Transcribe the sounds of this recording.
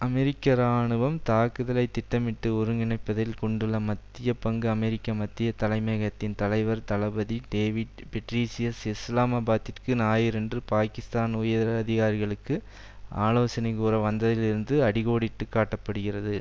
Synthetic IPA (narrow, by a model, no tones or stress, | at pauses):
ʔɐmɛɾɪkːɐɾaːɳɯʋɐmt̪aːkːɯðɐlɐɪt̪ːɪʈːɐmɪʈːɯʊɾɯŋɡɪɳɐɪpːɐðɪlkɔɳɖɯɭːɐmɐt̪ːɪjɐpɐŋɡɯɐmɛɾɪkːɐmɐt̪ːɪjɐt̪ɐlɐɪmeːɣɐt̪ːɪnt̪ɐlɐɪʋɐɾt̪ɐlɐbɐðiɖeːʋɪɖpɛʈɾiːsɪjɐsɪslaːmabaːt̪ːɪrkɯnaːjɪɾɛndrɯpaːkɪst̪aːnʊjɐɾɐðɪɣaːɾɪɣɐɭɯkːɯ | ʔa̰ːloːsɐnɐɪkuːɾɐʋɐnd̪ɐðɪlɪɾɯnd̪ɯɐɽɪɣoːɽɪʈːɯkːaːʈːɐpːɐɽɯɣɪrɐðɯ